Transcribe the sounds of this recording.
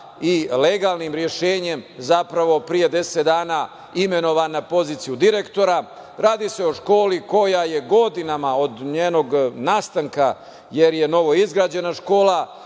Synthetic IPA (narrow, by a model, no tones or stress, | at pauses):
ileɡaːlˠnimɾje̞ʃeːɲe̞mzapɾaʋo̞pɾije̞d̪e̞set̪d̪aːnaː | ime̞no̞ʋanapo̞ziːt̪sijud̪iɾe̞kt̪o̞ɾa | ɾaːd̪ise̞o̞ʃko̞ːliko̞jaje̞ɡo̞d̪inamao̞d̪ɲeːno̞ɡnaːst̪aŋka | je̞ɾje̞no̞ʋo̞izɡɾaːd͡ʑe̞naʃko̞ːlˠa